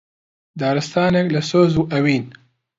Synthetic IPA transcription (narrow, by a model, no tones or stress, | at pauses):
d̪aːɾɨst̪aːneklɐsoːzuːʔɐwiːn